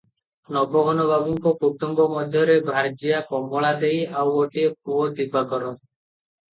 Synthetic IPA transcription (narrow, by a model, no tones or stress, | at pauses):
nɔbɔɡʱɔnɔbabuŋkɔpuk̚ʈɔŋbɔmɔd̪ʱjɔɾebʱaɾd͡ʒijakɔmbɔɭad̪ejawoʈiekuɔd̪ibakɔɾɔ